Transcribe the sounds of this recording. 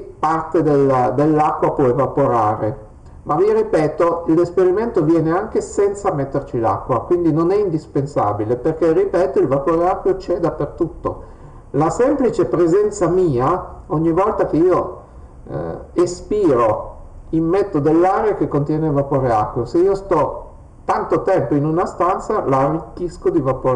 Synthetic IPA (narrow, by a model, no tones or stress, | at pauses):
part̪ed̪eld̪elːakːwapwɔevapoɾaːɾe | maviripɛːt̪oilespeɾiment̪ovjɛːneaŋk̟esɛnt̪samet̪ːert͡ʃila̰kːwakwind̪inonɛind̪ispensa̰ːbileperkerːipɛːt̪oilvapoːɾeakːwjot͡ʃɛd̪apːert̪ut̪ːo̰ | lasɛmplit͡ʃepɾezɛnt̪samiːaoɲːivɔlt̪ak̟eio | espiːɾo | immet̪ːod̪elːaːɾeakekːont̪jɛːnevapoːɾeakːwjoseiːost̪ɔ | t̪ant̪ot̪ɛmpoinunast̪ant̪salaːrːikːiskod̪ivapoːɾ